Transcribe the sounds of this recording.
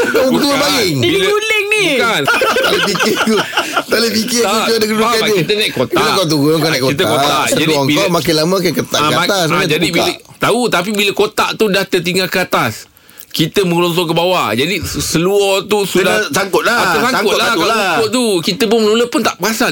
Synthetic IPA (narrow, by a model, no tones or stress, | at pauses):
t̪ubəbalɪŋbiluləŋnikant̪alepikɪut̪aləpikɪauuadəkduakaaikit̪̬ənajʔkot̪ailakat̪̬uɡəŋkanãʔkoit̪̬əkot̪aʔd͡ʒəaiŋbiamakalamãak̬akət̪a̰ʔaaasad͡ʒadibiat̪aut̪ap̬ibiləkot̪aʔt̪udaht̪ət̪̬iŋɡalkəat̪as | kit̪əməŋlɔŋs̬ɔk̬əbawad͡ʒadisəluɔt̪usudasakʊt̪̚laaasaŋaʊlakalsakʊt̪t̪ukit̪əpʊnmənuləpʊnt̪aʔpəasa